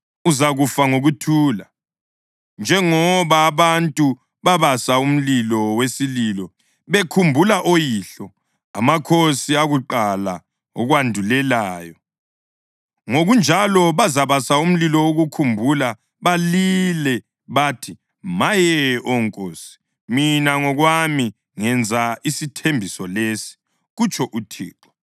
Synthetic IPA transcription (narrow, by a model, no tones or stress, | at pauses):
uzaɣufaŋoɣutʰuːla | nd͡ʒʱɛŋɔβaːβantʼu | βaβasaum̩lilɔwesililɔ | βekʰumbʱulaʔojiːɬɔ | a̰makʰosiaɣuǃala̰ | ɔɣwandʱulɛlaːjɔ | ŋoɣund͡ʒʱalɔβazaβasaum̩lilɔwoɣukʰumbʱula | βalilɛ | βatʰi | majɛʔɔŋkʼoːsi̥ | minaŋɔɣwami | ŋɛnd͡zʱaisitʰembʱisɔlesi̥ | ɣut͡ʃʼʰɔʔutʰḭːǁɔ